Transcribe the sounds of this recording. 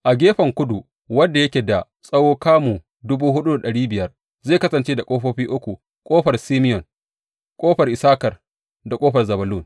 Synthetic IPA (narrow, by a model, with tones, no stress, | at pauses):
ʔa˨ɡʲeː˦ɸɐ˨ŋkʷʊ˦du˨ | wɐ˦ndːa˨jɐ˦kʲeː˨da˨ | sʼɐ˦woː˦kaː˦mu˨ | dʊ˦buː˦ɦʊ˦ɗu˦da˨ɗɐ˨ɽiː˦bɪ˨jɐ˦r | zeː˦˨kɐ˦sɐ˨nt͡ʃeː˦da˨kʼoː˦ɸoː˦ɸiː˦ʔʊ˦kʷu˨ | kʷʼoː˦ɸɐ˨rsiː˦mɪ˦jɔ˨n | kʷʼoː˦ɸɐ˨rʔɪ˨saː˦kɐ˨r | da˨kʼoː˦ɸɐ˨rzɐ˨bɐ˨luː˦n